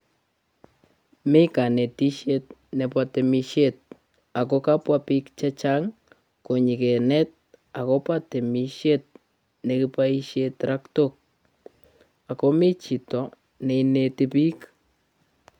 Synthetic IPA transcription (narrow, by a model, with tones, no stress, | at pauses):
me˦ka˨ne˨ti˦ʃet̚ne˨pwate˨miʃet̚ | a˨ko˦ka˦pwapi˦kt͡ʃa˦t͡ʃaŋ | ko˨ɲɪ˨ke˨nɛ˦t̚a˨ko˦pa˦te˨mi˨ʃe˦t̚ | neki˦pai˦ʃetɾʔa˦ktok̚ | a˨kome˦t͡ʃi˨tɔ˨ | ne˨ine˨tipi˦k